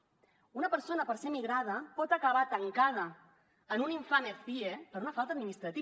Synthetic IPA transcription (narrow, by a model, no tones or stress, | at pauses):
unəpəɾsonəpəɾsemiɣɾað̞əpɔt̪əkəβ̞at̪əŋkað̞əː | nuniɱfanebiepəɾunəfalˠt̪əd̪minist̪ɾət̪i